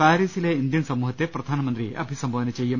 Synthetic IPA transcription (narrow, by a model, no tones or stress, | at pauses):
paːɾiːsileind̪jɐnsɐmuːɦɐt̪ːepɾɐd̪ʱaːnɐmɐnt̪ɾiʔɐ̰bʱisɐmbʱɐʋɐnɐt͡ʃejːɐm